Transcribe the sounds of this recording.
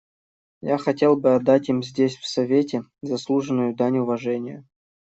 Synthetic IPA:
jaxɐtʲe̞lˠbɨɐd̪ːatʲimzʲdʲesʲfsɐvʲetʲɪzɐslˠuʐɨnʊjʊd̪anʲʊvɐʐɛnʲɪjə̰

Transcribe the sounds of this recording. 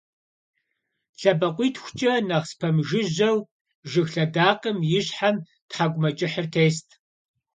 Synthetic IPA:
ɬɐbɐqʷʼiːtʰxʷʊ̥t͡ʃʼɐnɐʁspʰɐmʒɨʑɐw | ʒɨxɬɐdaːqəmjɪɕħam | tħaɡʷʼʊmɐt͡ʃʼɪħərtʰeːstʰ

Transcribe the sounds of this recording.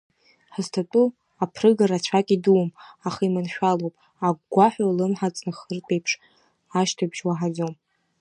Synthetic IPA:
ħɨztʰatʼu | apʰrɨɡaɾat͡ɕʷʰakʲʼiduwmaχaimɨnʃᶣalowpʼ | aɡɡʷaħʷᶣalɨmħat͡sʼnɨχərtʼejpʰʂ | aʃtʰabʒwaħad͡zom

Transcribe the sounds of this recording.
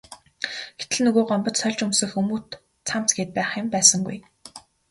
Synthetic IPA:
ɡ̥et̪ɘ̆ɮnɵɣoːɢɔmpɞ̆t͡ɕsœɮʲt͡ɕɵmsɵ̆xumuːt̪ | t͡sʰam̥t͡sɡeːt̪̚pæːχɪ̆mpæːsə̆ŋɡuj

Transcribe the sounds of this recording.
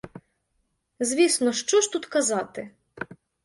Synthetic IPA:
zʋʲisnɔʃt͡ʃɔʃt̪ut̪kɐzɑt̪ɪ

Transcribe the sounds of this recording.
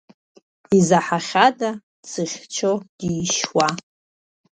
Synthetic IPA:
izaħaχʲada | t͡sʰɨχʲt͡ʃʷʰod̥ijʃwa

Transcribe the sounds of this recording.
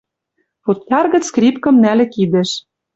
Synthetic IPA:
put̪jɑrɣɤ̆t͡skrʲipkɤ̆mnælɘ̆kid̪ĕʃ

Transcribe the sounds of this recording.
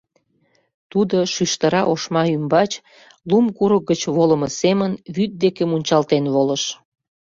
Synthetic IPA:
t̪ud̪oʃyʃt̪əɾɑʔoʃmɑymbɑt͡ɕ | lumkuɾək̚ɡət͡ɕβoləməsemənβyt̪̚d̪ekemunʲt͡ɕɑlt̪enβoləʃ

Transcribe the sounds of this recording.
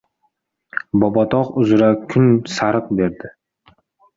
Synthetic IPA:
bɒbɒt̪ʰɒqʊzɪɾakʰʊnsaɾɨq̚be̞ɾd̪ɪ

